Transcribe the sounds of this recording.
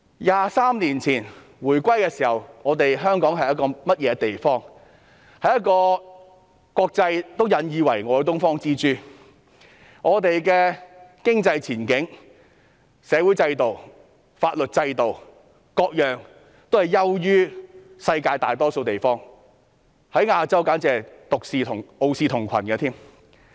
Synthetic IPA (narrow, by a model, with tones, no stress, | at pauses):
jaː˨˧saː˥mniː˨˩nt͡sʰiː˨˩n | wuː˨˩jkʷɐ˥jkɛː˧siː˨˩hɐ˨wŋɔː˨˧t̪e˨jɦœː˥ŋkɔː˨˥ŋɦɐ˨jɐ˥t̚kɔː˧mɐ˥t̚jɛː˨˧t̪e˨jfɔː˥ŋ | hɐ˨jɐ˥kɔː˧ | kɔː˧k̚t͡sɐ˧jt̪o˥wjɐ˨˧njiː˨˧wɐ˨˩jŋɔː˨˧ɡɛ˧t̪ʊ˥ŋfɔː˥ŋt͡siː˥t͡ʃyː˥ | ŋɔː˨˧t̪e˨jkɛː˧kɪ˥ŋt͡sɐ˧jt͡sʰiː˨˩nkɪ˨˥ŋ | sɛː˨˧wu˨˥jt͡sɐ˧jt̪o˨w | faː˧t̚lɵ˨t̚t͡sɐ˧jt̪o˨˩w | kɔː˧k̚jœː˨˩ŋ | t̪o˥whɐ˨˩jɐ˥wjyː˥ | sɐ˧jkaː˧jt̪aː˨˩jt̪ɔː˥so˧wt̪e˨jfɔː˥ŋ | hɐ˨˥jŋaː˧t͡sɐ˥wkaː˨˥nt͡sɛː˨˩t̪ʊ˨k̚siː˨˧t̪ʰʊ˨˩ŋo˨˧wsiː˧t̪ʰʊ˨˩ŋkʷʰɐ̰˨˩nɡɐ˧t̪ʰiː˥m